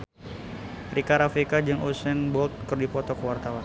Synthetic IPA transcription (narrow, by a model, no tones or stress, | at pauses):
rikaɾafikad͡ʒəŋʔusɛnbɔlt̪̚kɨrdipɔt̪ɔkəwart̪awan